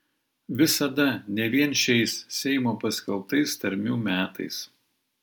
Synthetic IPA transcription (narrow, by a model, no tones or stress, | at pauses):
ʋʲɪsɐd̪ɐnʲɛʋʲiɛnʃʲɛɪssʲɛɪmoːpɐsʲkʲɛlˠp̚t̪ɐɪst̪ɐɾʲmʲuːmʲæːt̪ɐ̰ɪs